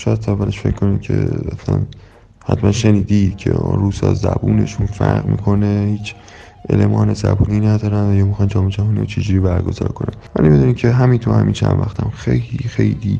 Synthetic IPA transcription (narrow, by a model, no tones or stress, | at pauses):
ʃɒːjæd̪sʰævæleʃfecʰːo̞nimcʰe̞æslæn | hæt̪mænʃeniːd̪id̪̥cʰeɾuːsɒzæbuːne̞̰ʃunfæɾʁmḭːkʰo̞nehiːt͡ʃʰ | ʔelemɒːnezæbuːninæd̪ɒːɾænvæjɒːmixɒnd͡ʒɒːmed͡ʒæɦɒːniot͡ʃʰed͡ʒuɾiːbæɾɡo̞zɒ̰ːɾkʰonænvælibed̪uːniːcʰeɦæmint̪ʰohæmint͡ʃʰænvæxt̪ʰæmxejliːxejliː